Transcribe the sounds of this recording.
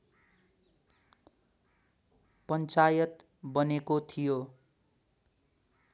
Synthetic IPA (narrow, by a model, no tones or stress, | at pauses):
pʌnt͡sajʌt̪ | bʌnekot̪ʰijo